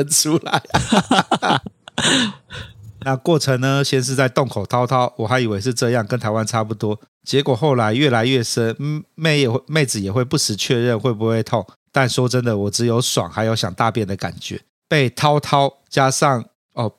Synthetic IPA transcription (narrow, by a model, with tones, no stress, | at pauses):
ə˥nʈ͡ʂʰu˥la˨˦ɪ | na˥˨kwɔ˥˩ʈ͡ʂʰə˧˥ŋnə˧ɕjɛ˥˧nʂ̬ɻ̩˥˧t͡sa˥˧ɪt̪ŋkʰo˨˩ʊt̪ʰɑ˥ʊt̪ʰɑ˦˥ʊwɔ˨˩xa˧˥ɪi˨˩we˧˥ɪʂ̬ɻ̩˥˧ʈ͡ʂɤ˥˧jɑ˥˨ŋkə˧˦nt̪ʰa˧˥ɪwa˦nʈ͡ʂʰa˥pu˥˩t̪wɔ˦˥ | t͡ɕjɛ˧˥kwɔ˨˩xo˥˩ʊla˧˦ɪɥɛ˥˩la˧˥ɪɥɛ˥˩ʂə˦˥nme˥˩ɪɛ˨˩xwme˥˩ɪd͡zɹ̩˨˩jɛ˨˩xwe˥˧ɪpu˥˩ʂɻ̩˧˥t͡ɕʰɥɛ˥˧ɻə˥˧nxwe˥˩ɪp̬u˧˦xwe˥˧ɪt̪ʰo˥˩ŋ | t̪a˥˨nʂo˥ʈ͡ʂə˦nd̪ə˨wɔ˨˩ʈ͡ʂɻ̩˧˥jo˧ʊswa̰˨˩˦ŋxa˧˥ɪjo˧˥ʊɕjɑ̰˨˩ŋt̪a˥˧pjɛ˥˩nd̪ə˩ka̰˨˩nt͡ɕɥɛ̰˨˧˦ | pe˥˩ɪt̪ʰɑ˥ʊt̪ʰɑ˥ʊ | t͡ɕja˥ʂɑ˥˨˩ŋ | ɔ˥˩